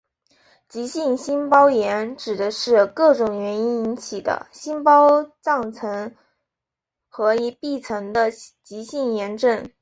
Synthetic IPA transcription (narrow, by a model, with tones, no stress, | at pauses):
t͡ɕi˧˥ɕi˥˩nɕi˥npɑ˥ʊjɛ˧˥nʈ͡ʂɻ̩˨˩d̪ə˦ʂɻ̩˥˧kɤ˥˩ʈ͡ʂʊ˨˩ŋɥɛ˧˥ni˥ni˧˥nt͡ɕʰi˨˩d̪ə̰˦ɕi˥npɑ˥ʊt͡sɑ˥˩ŋt͡sʰɤ˧˥ŋ | xɤ˧˥i˧˥pi˥˩t͡sʰɤ˧˥ŋd̪ə˧t͡ɕi˧˥ɕi˥˩njɛ˧˥nʈ͡ʂɤ˥˩n